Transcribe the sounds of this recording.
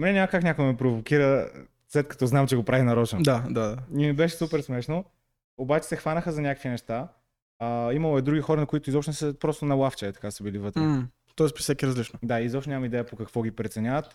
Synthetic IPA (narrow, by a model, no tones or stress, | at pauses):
mɛnɛnʲaməkaknʲakoɡəmɛpɾovokiɾə | slɛt̪kɐ̥t̪ɔznamt͡ʃɛɡopɾavinɐɾɔt͡ʃnod̪ad̪ad̪aimibɛʃɛsupɛɾsmɛʃno | obat͡ʃɛ̥sɛxvanəxəzɐnʲakəkvʲinɛʃt̪a | əimɐlˠoɛd̪ɾuɡʲixɔɾɐnɐkʊit̪ʊizɔpʃt̪nsəpɾɔst̪onɐlˠaft͡ʃɛɛt̪ɐ̥kasəbilivɤt̪ɾɾɛ | t̪ɔɛspɾisɛkiɾɐzlit͡ʃnod̪aizɔpʃonɲamɐmid̪ɛjəpokɐkvɔɡipɾɛt̪sɛnʲavət̪